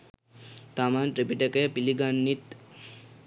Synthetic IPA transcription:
t̪amanʈɾepiʈekepiliɡanːit̪

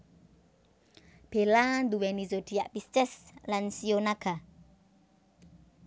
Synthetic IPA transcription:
b̥e̤land̪uwɛnizod̪̥i̤aʔpist͡ʃɪslansionaɡ̥a̤

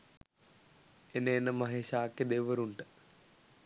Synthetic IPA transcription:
enəːnːəmɐɦeːʃaːkːed̪eʋəɾuɳʈə̥

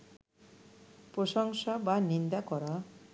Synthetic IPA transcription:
pɾosʌŋsabanind̪akɔɾʌ

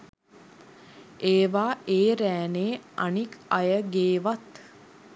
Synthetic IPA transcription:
eːʋaːeːɾæːneːa̰nikajəɡeːʋat̪

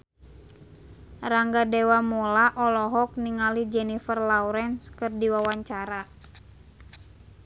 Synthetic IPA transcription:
raŋɡadɛwamɔlaʔɔlɔɦɔk̚niŋalid͡ʒɛnifərlawuɾɛnskɨrdiwawaɲt͡ʃaɾa

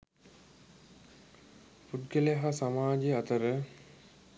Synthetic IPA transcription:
pud̪ɡəleɦasamaːd͡ʒeat̪əɾə

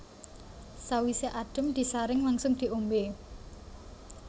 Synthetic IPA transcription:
sawiseʔaɖ̥ə̤md̪̥i̤saɾɪŋlaŋsʊŋd̪̥i̤ʔombe

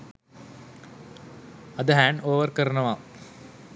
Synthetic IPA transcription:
ɐd̪ɐɦæːɳɖoːʋɐrkɐɾɐɳɐʋaː

